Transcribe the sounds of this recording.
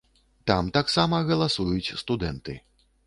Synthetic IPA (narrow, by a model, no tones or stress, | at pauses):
t̪amt̪aksamɐɣɐlˠasujut͡sʲst̪ud̪ɛnt̪ɨ